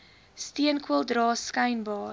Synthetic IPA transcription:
stiənkwəlˠdrɑːskɐjnbɑː

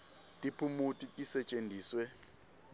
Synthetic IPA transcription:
tʼipʰumutʼitʼisɛt͡ʃʼendʱiːswɛ

